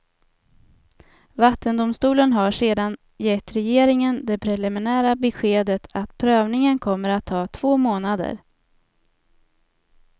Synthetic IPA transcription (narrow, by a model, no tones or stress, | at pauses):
vat̪ːənd̪ʊmst̪uːlənɦaʂeːd̪an | jɛt̪ːɾɛjeːɾɪŋənd̪ɛpʰɾɛlɪmɪnæːɾabɛɧeːd̪ət̪ʰat̪pʰɾøːvnɪŋənkʰɔmːəɾat̪ʰːɑːt̪ʰv̥oːmoːnad̪ə̰ɾ